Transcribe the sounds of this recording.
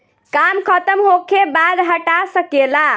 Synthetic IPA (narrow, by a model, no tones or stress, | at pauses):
kamkʰət̪əmɦokʰebad̪ɦəʈasəkela